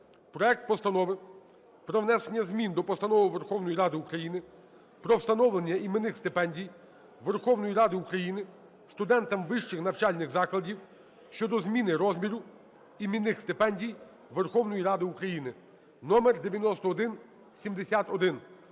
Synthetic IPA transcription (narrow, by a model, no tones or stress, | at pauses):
pɾɔɛk̚t̪̚pɔst̪ɐnɔʋɪ | pɾɔʋnɛsenʲːɐzmʲind̪ɔpɔst̪ɐnɔʋɪʋerxɔwnɔjiɾɑd̪ɪukɾɐjinɪ | pɾɔwst̪ɐnɔʋlenʲːɐimenɪxst̪ɪpɛnʲdʲij | ʋerxɔwnɔjiɾɑd̪ɪukɾɐjinɪ | st̪ʊd̪ɛnt̪ɐmʋɪʃt͡ʃɪxnɐwt͡ʃɑlʲnɪɣzɑklˠɐdʲiw | ʃt͡ʃɔd̪ɔzmʲinɪɾɔzmʲiɾʊ | imʲinɪxst̪ɪpɛnʲdʲij | ʋerxɔwnɔjiɾɑd̪ɪukɾɐjinɪ | nɔmerd̪eʋʲjɐnɔst̪ɔːd̪ɪn | sʲimd̪esʲat̪ɔd̪ɪn